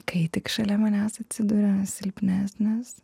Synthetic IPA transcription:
kɐɪt̪ʲɪkʃɐlʲɛmɐnʲæsɐt̪ʲsʲɪd̪uɾʲɛsʲɪlʲpʲnʲæːsʲnʲɛs

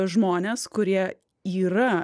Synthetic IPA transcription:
ʒmoːnʲeːskʊɾʲiɛ | iːɾɐ

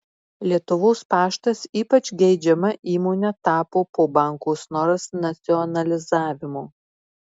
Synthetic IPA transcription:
lʲiɛt̪ʊʋoːspɑːʃt̪ɐsiːpɐt͡ʃʲɡʲɛɪd͡ʒʲɛmɐʔiːmoːnʲɛt̪ɑːpoːpoːbɑˑŋkoːsnɔɾɐsnɐt̪sʲɪɔnɐlʲɪzɑːʋʲɪmoː

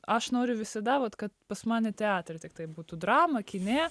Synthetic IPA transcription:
ɐʃnoːɾʲʊʋʲɪsɐd̪ɐʋɐt̪kɐt̪pɐsmɑːnʲɪt̪ʲɛɑːt̪ʲɾʲɛt̪ʲɪk̚t̪ɐɪbuːt̪ud̪ɾɑːmɐkʲɪnʲeː

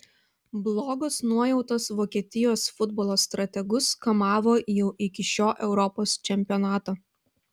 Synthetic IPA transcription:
blˠɔːɡɔsnuɔjɛʊt̪oːsʋoːkʲiɛt̪ʲɪjoːsfʊd̪bɔlˠoːst̪ɾɐt̪ʲɛɡʊskɐmɑːʋoːjɛʊʔɪkʲɪʃʲoːʔɛʊɾɔpoːst͡ʃʲɛmʲpʲɪjɔnɑːt̪oː

